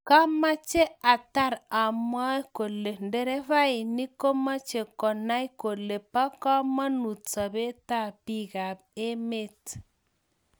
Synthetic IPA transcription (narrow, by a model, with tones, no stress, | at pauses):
ka˦ma˦t͡ʃe˦a˨ta˦˨ɾa˨mwa˦ko˨le˨ndɛ˨ɾɛ˦βa˦i˨ni˦ko˦ma˦t͡ʃe˨kɔ˨na˦i˦ko˨le˨pa˦ka˦ma˦nu˨t͡sa˨βe˦ta˦˨pi˦˨ɣa˨ | e˦me˦t